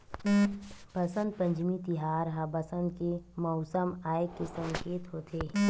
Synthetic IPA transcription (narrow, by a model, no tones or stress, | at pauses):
pɐsə̃nd̪̚pɐ̃ɲd͡ʒmit̪ɪɦaːɾɦabɐsə̃nd̪kemɔːsəmaːɪkːesə̃ŋkeːt̪ɦoːt̪eː